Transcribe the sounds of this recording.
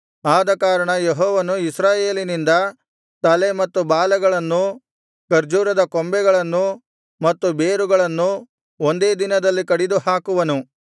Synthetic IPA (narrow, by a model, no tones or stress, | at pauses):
aːd̪ɐkaːɾɐɳɐjeɦɔːʋɐnuisɾaːjeːlinind̪ɐ | t̪ɐlemɐt̪ːubaːlɐɡɐɭɐnːu | kɐɾd͡ʒuːɾɐd̪ɐkombɛɡɐɭɐnːu | mɐt̪ːube̞ːɾuɡɐɭɐnːu | ond̪e̞ːd̪inɐd̪ɐlːikɐɽid̪uhaːkuʋɐnu